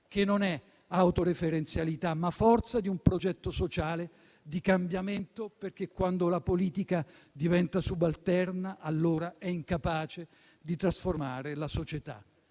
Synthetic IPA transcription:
k̟enːonɛ | awt̪oɾefeɾent̪sjalit̪amːafːɔrt̪sad̪iumpɾod͡ʒɛt̪ːosot͡ʃaːle | d̪ikambjament̪operk̟ekːwand̪olapoliːt̪ika | d̪ivɛnt̪asubalt̪ɛrnaʔːlːoːɾaɛiŋkapaːt͡ʃe | d̪it̪ɾasformaːɾelasot͡ʃet̪a̰

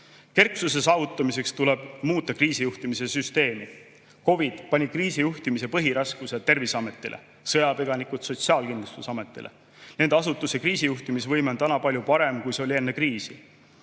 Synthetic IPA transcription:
ke̞rksuse̞sɑːvut̪ːˑɑmise̞kst̪uleb̥muːt̪ˑːɑkriːsijuht̪imise̞syst̪e̞ːmi | ko̞vid̪̥pɑnʲikriːsijuht̪imise̞pɤɦiɾɑskuset̪e̞rvisɑme̞t̪ːˑilʔḛ | sɤjɑpiɡ̥ɑnikut̪so̞t̪siɑːlkind̪lust̪usɑme̞t̪ːˑḭlʔḛ | ne̞nd̪̥ɑsut̪ːˑusekriːsijuht̪imisvɤ̞jmet̪ænɑpɑlʲjupɑɾe̞mkujse̞olie̞nːekriːsi

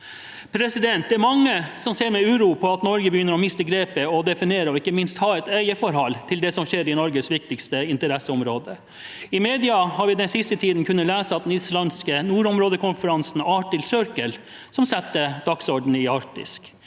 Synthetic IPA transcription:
pʰɾɛsɪd̪ɛnt̪̚d̪ɛːɾmɑŋːəsɔmseːɾmɛʉːɾuːpʰɔɑt̪nɔɾɡəbəjʏnːəɾɔmɪst̪əɡɾeːpəɔd̪ɛfɪneːɾəɔɪkːəmɪnst̪hɑːɛt̪æɪəfɔɾhɑlːt̪ʰɪld̪ɛsɔmʃeːɾɪnɔɾɡəsʋɪk̚t̪ɪkst̪əɪnt̪əɾɛsəɔmɾoːd̪ə | ɪmeːd̪ɪɑhɑɾʋɪd̪ɛnsɪst̪ət̪ʰiːd̪n̩kʰʉnːəlæːsəɑt̪̚d̪ɛnɪslɑnskənuːɾɔmɾoːd̪əkʊnfəɾɑnsn̩ɑːʈɪlsœɾkəl | sɔmsɛt̪ːəd̪̥ɑksɔɖɳ̩ɪɑɾkt̪ɪ̰sk

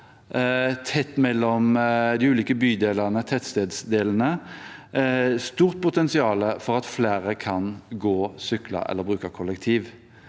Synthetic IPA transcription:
t̪ʰɛt̪ːmɛlːɔmd̪ɪʉːliːkəbyːd̪eːlɑʁnət̪ʰɛt̪st̪eːd̪sd̪eːlən̩ə | st̪uːʁt̪̚pʰʊt̪ɛnsɪɑːləfɔʁɑt̪fleːɾəkʰɑnɡoːsʏklɑ̰ʔɛ̰lːəʁbʁʉːkəkʰɔlːɛkt̪ʰiːʋ

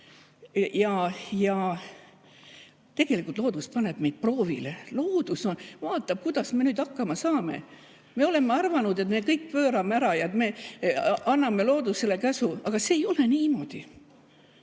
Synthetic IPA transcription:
jɑjɑ | t̪e̞ɡ̥e̞likult̪lo̞ːd̪uspɑne̞b̥me̞jd̪̥̚pro̞ːvḭleloːd̪̥uso̞nvɑːt̪ːˑɑb̥̚kujd̪̥ɑsme̞nyːd̪ɑkːɑmɑsɑːme̞̰ | me̞o̞le̞mːeɑrvɑnud̪e̞t̪me̞kɤjk̚ːpøːɾɑmeæɾɑjɑet̪me̞ | ʔɑnːɑmelo̞ːd̪̥uselekæsuɑɡ̥ɑseːjo̞le̞niːmo̞d̪̥i

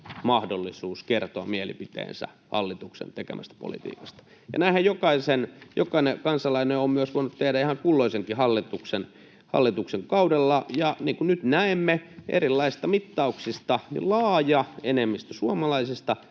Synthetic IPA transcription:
mɑhdolːisuːskert̪oɑ̰mielḭpit̪ḛːnsæ̰ | hɑ̰lːit̪uksḛnt̪ekḛmʔæst̪æ̥po̰lḭt̪ḭːkɑ̥st̪ɑ̥ | jɑ̰næihæjjokɑisenjokɑinekɑnsɑlɑineoːmmyøsʋoinut̪t̪ehdæihɑŋkulːoiseŋkihɑlːit̪uksen | hɑ̰lːit̪ukseŋkɑudelːɑjɑniːŋkunnyt̪næemːeʔḛrilːɑist̪ɑmit̪ːɑuksist̪ɑnḭllɑːjɑenemːist̪æsuɑmɑlɑisist̪ɑ

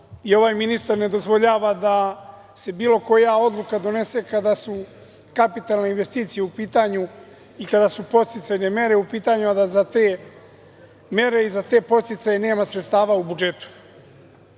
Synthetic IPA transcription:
io̞ʋajminist̪aɾne̞d̪o̞zʋo̞ʎaːʋad̪a | se̞biːlo̞ko̞jao̞d̪lˠukad̪o̞ne̞se̞kad̪asu | kapit̪alneinʋe̞st̪iːt̪sije̞upiːt̪aɲu | ikad̪asupo̞t̪t̪it̪sajne̞me̞ɾe̞upiːt̪aɲuad̪azat̪eː | me̞ɾe̞izat̪e̞ːpo̞t̪t̪it̪sajene̞ːmasɾet̪st̪aːʋaubud͡ʒe̞t̪u̥

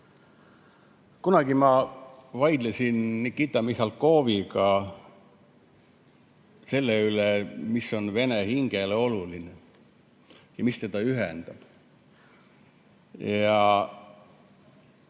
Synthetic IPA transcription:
kunɑɡ̥imɑvɑjd̪̥lesʲinnikːit̪ːˑɑmihɑlko̞ːviɡɑ | se̞lːeylemisːo̞nve̞nehiŋɡ̥eleo̞luline | jɑmist̪ed̪ɑyɦend̪̥ɑb̥ | jɑ

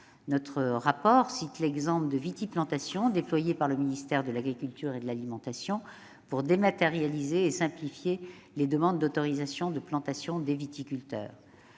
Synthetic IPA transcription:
nɔt̪χəʁapɔʁsit̪lɛɡzɑ̃pld̪əvit̪iplɑ̃t̪asjɔ̃d̪eplwajepaʁləminist̪ɛʁd̪əlaɡʁikʲylt̪yʁed̪əlalimɑ̃t̪asjɔ̃ | puʁd̪emat̪eʁjalizeːsɛ̃plifje | led̪əmɑ̃d̪ːot̪ɔʁizasjɔ̃d̪əplɑ̃t̪asjɔ̃d̪evit̪ikʲylt̪œ̰ːʁ

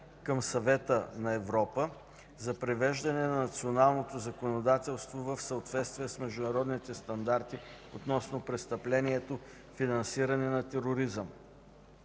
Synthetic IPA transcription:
kəmsɐvɛt̪ənɐɛvɾɔpə | zɐpɾɛvɛʒd̪ɐnɛnɐnɐt̪sionalˠnot̪ozɐkonod̪at̪ɛlˠst̪vovəfsəot̪vɛt̪st̪vijɛsmɛʒd̪ʊnɐɾɔd̪nit̪ɛst̪ɐnd̪aɾt̪i | ot̪nɔsnopɾɛst̪ɐplɛniɛt̪o | finɐnsiɾɐnɛnɐt̪ɛɾoɾizəm

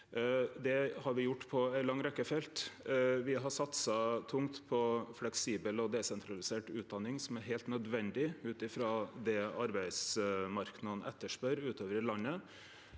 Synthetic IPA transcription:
d̪ɛhɑɾʋɪjʊʈːpʰɔæɪlɑŋːɾɛkːəfɛlt̪ʋɪɦɑsɑt̪sɑt̪ʰʊŋt̪pʰɔflɛksiːbəlɔd̪ɛsɛnt̪ʰɾɑlɪseːʈʉːt̪̚d̪ɑnːɪŋsɔmæɾɦæɪlt̪nœd̪ʋɛnd̪ɪʉːt̪ɪfɾɑːd̪ɛɑɾbæɪd̪smɑɾknɑnʔɛt̪ːəʂpœɾʉːt̪ʰoːʋəɾlɑnːə

